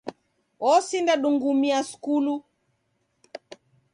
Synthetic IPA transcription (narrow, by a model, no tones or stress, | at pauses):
ɔsindaɗuŋɡumiasu̥kulu